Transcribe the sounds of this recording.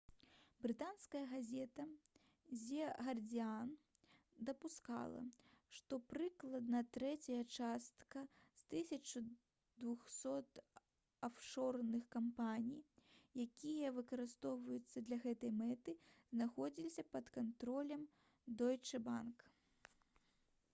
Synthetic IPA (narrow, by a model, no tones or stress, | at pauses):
bɾɨt̪anskɐjɐɣazʲɛt̪ɐ | zʲɛɣɐrd͡zʲian | d̪ɐpuska̰lˠɐ̰ʂt̪ɔpɾɨklˠɐd̪nɐt̪ɾɛt͡sʲɐjɐt͡ʂast̪kɐst̪ɨsʲɐt͡ʂu | d̪vuxsɔt̪ | afʂɔrnɨxkampanʲijjakʲijɐvɨkɐɾɨst̪ɔwvɐjut̪sːɐd̪lʲɐɣɛt̪ɐjmɛt̪ɨznaxɔd͡zʲilʲisʲɐpɐt̪kant̪ɾɔlʲɐm | d̪ɔjt͡ʂɨbank